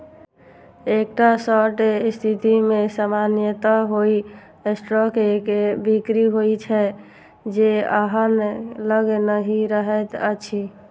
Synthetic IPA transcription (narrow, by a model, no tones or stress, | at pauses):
ek̚ʈasɔʈest̪ʰit̪imesamanjət̪aɦoi | esʈɾɔkekebikɾiɦojt͡ʃʰɛ | d͡ʒeə̰ɦənləɡenəɦiɾəɦɛt̪ə̰t͡ʃʰi